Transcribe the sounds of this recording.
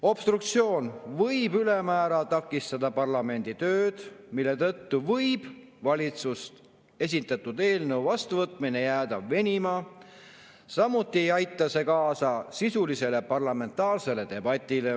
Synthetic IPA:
o̞b̥st̪rukt̪sio̞ːnvɤjbylemæːɾɑt̪ɑkːˑist̪ɑd̪ɑpɑrlɑme̞nd̪̥it̪ø̞ːd̪̥milːe̞t̪ɤt̪ːuvɤjb̥ | vɑlʲit̪sust̪ | e̞s̬ʲit̪ːˑɑt̪ːˑud̪e̞ːlnɤwvɑst̪uvɤt̪ːˑmine̞jæːd̪̥ɑve̞nʲimɑː | sɑmːut̪ːˑie̞jɑjt̪ːˑɑse̞kɑːsɑsisulise̞lepɑrlɑme̞nt̪ːˑɑːrse̞le̞d̪e̞bɑt̪ʲːˑile̞

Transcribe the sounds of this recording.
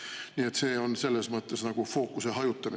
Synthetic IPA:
nie̞t̪se̞ːo̞nse̞lːesmɤt̪ˑːe̞snɑɡ̥ufo̞ːkuseɦɑjut̪ːˑɑmi

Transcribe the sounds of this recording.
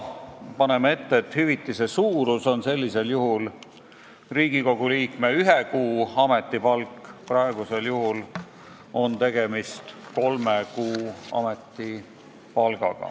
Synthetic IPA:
pɑnemee̞t̪ːeːt̪hyvit̪ːˑise̞suːɾuso̞nse̞lʲːise̞ljuɦul | riːɡ̥iko̞ɡ̥uliːkme̞yɦekuːɑmet̪ˑːipɑlkːˑprɑeɡ̥use̞ljuɦul | o̞nt̪e̞ɡ̥e̞mist̪ko̞lmekuːɑ̰met̪ːˑi | pɑlɡ̥ɑ̰ɡ̥ɑ̰

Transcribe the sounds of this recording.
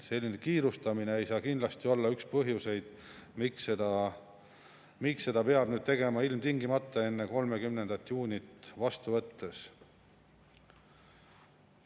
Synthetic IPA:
se̞lʲːine̞kiːɾust̪ɑmine̞ejsɑːkind̪lɑst̪io̞lːɑykspɤɦjuse̞jd̪̥miksed̪ɑ | miksse̞d̪̥ɑpe̞ɑb̥nyːd̪̥̚t̪e̞ɡe̞mɑilmt̪iŋɡimɑt̪ːˑɑe̞nːeko̞lme̞kymne̞nd̪̥ɑt̪ːˑjuːnʲit̪vɑst̪uvɤ̞t̪ːe̞s

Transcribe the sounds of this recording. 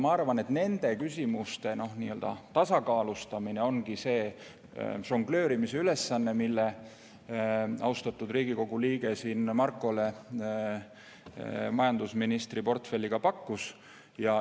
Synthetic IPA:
mɑɑrvɑne̞t̪ne̞nd̪̥e̞kysʲimust̪e̞no̞hnḭːøld̪̥ɑ̰t̪ɑsɑkɑːlust̪ɑmine̞o̞nɡ̥ise̞ː | ʃo̞ŋɡ̥lø̞ːɾimise̞yle̞sːɑnːe̞milːe̞ | ʔɑ̰wst̪ɑt̪ːˑud̪riːɡ̥iko̞ɡ̥uliːɡ̥e̞siːnmɑrkːˑo̞le̞ | mɑjɑnd̪usminist̪ripo̞rt̪fe̞lʲːiɡ̥ɑpɑkːus | jɑ

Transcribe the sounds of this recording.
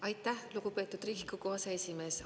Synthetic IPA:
ɑjt̪ːˑæhluɡ̥upe̞ːt̪ud̪̥riɡ̥ikːuko̞ɦɑseesʲime̞ːs

